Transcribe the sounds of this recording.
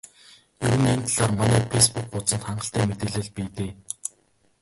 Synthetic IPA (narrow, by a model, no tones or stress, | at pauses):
jɵɾɘ̆nent̪ʰaɮaːrmanæːpʰespuk̚pʊt͡sə̆nt̪χaɴɢə̆ɬt̪æːmet̪ĕːɮɘ̆ɮpiːt̪eː